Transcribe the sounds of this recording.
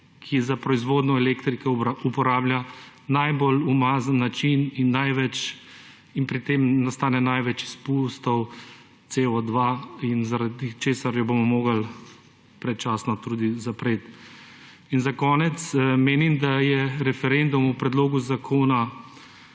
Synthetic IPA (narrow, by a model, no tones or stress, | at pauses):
kʰizapɾɔizʋoːd̪nɔɛleːkt̪ɾikɛupɔɾaːblʲjanajbolumaːzənːat͡ʃininːajʋɛt͡ʃ | inpɾit̪eːmnast̪aːnɛnajʋɛt͡ʃi̥spust̪ɔw | t̪seːɔd̪ʋainzaɾad̪it͡ʃeːsaɾjɔbomɔmoːɡal | pɾɛt͡ʃaːsnɔt̪uːd̪izapɾeːt̪ | inzakɔːnɛt̪smeːnimd̪ajɛɾɛfɛɾend̪umupɾɛd̪loːɡuzakʰoːna